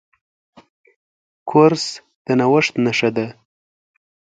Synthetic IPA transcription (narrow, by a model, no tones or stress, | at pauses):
kʰʊɾs | d̪̥ənawəʂt̪naʂad̪a